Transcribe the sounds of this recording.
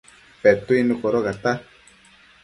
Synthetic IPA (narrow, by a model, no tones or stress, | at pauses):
pɛt̪uinukoɾoɣat̪a